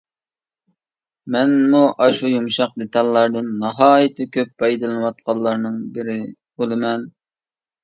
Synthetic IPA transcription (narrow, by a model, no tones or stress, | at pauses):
mɛnmuʔɑʃujumʃɑq̚d̪et̪ʰɑlːɑɾd̪ɨnːɑɦɑːjit̪ʰɪkʲʰøp̚ːɑjd̪ɨlɨnɨwɑt̪̚qɑlˠːɑɾnɨŋbɪɾɪbolˠɨmɛn